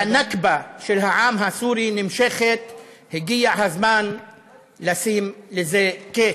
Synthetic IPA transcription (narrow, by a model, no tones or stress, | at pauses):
anakbaʃelɦaʕaːmɦasuːɾinɪmʃeχet̪ | heɡijaʕhazmaːn | lasimlezeke